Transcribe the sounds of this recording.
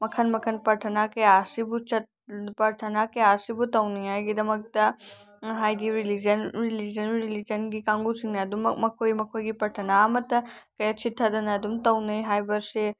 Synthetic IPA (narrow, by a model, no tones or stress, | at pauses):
mɐkʰɐnmɐkʰɐnpɐɾʈʰɐnakeaːsibut͡ʃʰɐt̪ | pɐɾʈʰɐnaːkeaːsibut̪ɐwnɐjaɡid̪ɐmɐk̚t̪ɐ | ɦaːjd̪iɾilid͡ʒɐnɾilid͡ʒɐnɾilid͡ʒɐnɡikãːŋɡusiŋnɐd̪ummɐkʰoːimɐkʰojɡipɐʈʰɐnaːmɐt̪ɐkɐɐt͡ʃʰit̪ʰːɐd̪ɐnɐd̪umt̪ɐwnɐjɦaːjbɐɾse